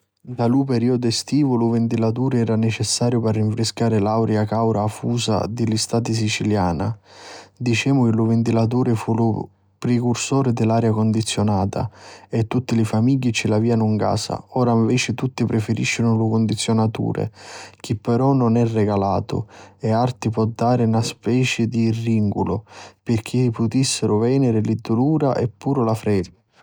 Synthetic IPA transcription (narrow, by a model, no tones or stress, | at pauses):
d̪aluːpɛɾiːɔd̪ʊɛst̪iːvʊlʊvɪnt̪ilat̪̬uːɾɪɛːɾanet͡ʃɛsːaːɾjʊpɛrːiɱfɾɪskaːɾɪlawɾjakawɾaːfuːsa̰d̪ɪlist̪aːt̪ɪs̬it͡ʃiljaːna̰ | d̪it͡ʃɛːmʊk̟ɪlʊvɪnt̪ilat̪̬uːɾɪfulʊ | pɾekursɔːɾɪd̪ɪlːaːɾjakond̪it̪sːjonaːt̪a̰ɛt̪ːut̪ːilɪfamiɟːit͡ʃɪlaviːanʊŋka̰ːsa̰ɔːɾaiɱvɛːt͡ʃɪt̪ut̪ːipɾɪfeɾiʃːɪnʊlʊkʊnd̪it̪sːjonat̪ṵːɾḛk̟ipːɛɾɔnʊnɛrːɛɡalaːt̪ʊ̰ɛart̪ipwɔd̪ːaːɾɪnaspɛːt͡ʃɪd̪iːrːiŋɡṵlʊpɪrk̟ʰipʊt̪isːɪɾʊvɛːnɪɾɪlid̪ːuluːɾa̰ʔɛpːuːɾʊlafɾɛd̪